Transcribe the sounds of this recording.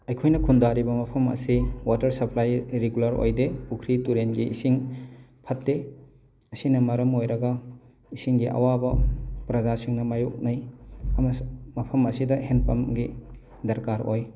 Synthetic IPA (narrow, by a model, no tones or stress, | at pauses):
ɐjkʰojnɐkʰundaɾibɐmɐpʰɐmɐ̰siwatɐɾsɐpʰlajɾeɡulɐɾo̰jdepukʰɾituɾenɡiʔḭsiŋpʰɐtːe | ɐsinɐmɐɾɐmojɾɐɡɐ | isiŋɡiʔa̰wabɐpɾɐzasiŋnɐmajuk̚nɐjɐmɐmɐpʰɐmɐsidɐɦenpɐmɡi | dɐɾkaɾo̰j